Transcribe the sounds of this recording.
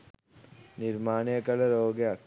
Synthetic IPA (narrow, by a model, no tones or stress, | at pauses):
nɪɾmaːɳjɐkɐlɐɾoːɡeɐ